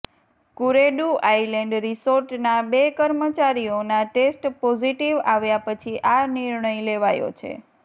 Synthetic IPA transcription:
kuɾeɖuʔajleɳɖɾisoɾʈnabekəɾmət͡ʃaɾijonaʈesʈpɔziʈiʋaʋjapət͡ʃʰiʔaniɾɳəjleʋajo̰t͡ʃʰḛ

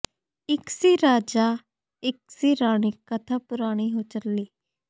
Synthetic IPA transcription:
ɪksiːɾaːd͡ʒaː | ɪksiːɾaːɽ̃iːkət̪ʰaːpʊɾaːɽ̃iːɦoːt͡ʃəlːiː

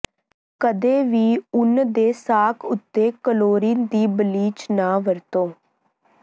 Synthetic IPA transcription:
kəd̪eːʋiːʊnd̪eːsaːkʰʊt̪ːeːkəloːɾiːnd̪iːbəliːt͡ʃnaːʋəɾt̪oː

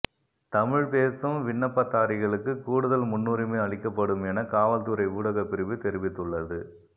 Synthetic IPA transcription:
t̪ɐmɪɻpeːsɯmʋɪɳːɐpːɐt̪ːaːɾɪɣɐɭɯkːɯkːuːɽɯðɐlmʊnːuːɾɯmeːɐɭɪkːɐpːɐɽɯmɛnɐkaːʋɐlt̪ɯɾɐɪuːɽɐɣɐpːɪɾɯʋɯt̪ɛɾɪʋɪt̪ːɯɭːɐðɯ

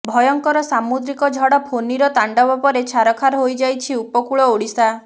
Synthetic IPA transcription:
bʱɔjɔŋkɔɾɔsamud̪ɾikɔd͡ʒʱɔɽɔpʰoniɾɔt̪aɳɖɔbɔpɔɾet͡ʃʰaɾɔkʰaɾɦojd͡ʒajt͡ʃʰiupɔkuɭɔoɽisa

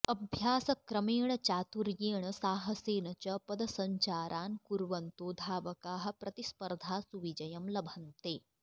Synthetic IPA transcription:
ɐbʱjaːsɐkɾɐmeːɳ̃ɐt͡ʃaːt̪uɾjeːɳɐsaːɦɐseːnɐt͡ʃɐpɐd̪ɐsɐɲt͡ʃaːɾʔaːnkuɾʋɐnt̪oːd̪ʱaːʋɐkaːɦɐ̆pɾʔɐt̪ispɐɾd̪ʱaːsuʋid͡ʒɐjɐmlɐbʱɐnt̪eː

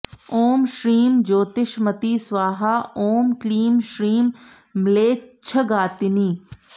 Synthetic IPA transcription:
oːmʃɾiːmd͡ʒoːt̪ɪʃmɐt̪iːsʋaːɦaːoːmkliːmʃɾiːmː | ɪleːt͡ʃʰəɡaːt̪ɪniː

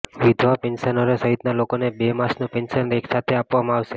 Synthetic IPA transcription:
ʋid̪ʱʋapɛnʃənoɾesəɦit̪nalokonebemasnũpɛnsənɾeksat̪ʰeapʋamãaʋʃe

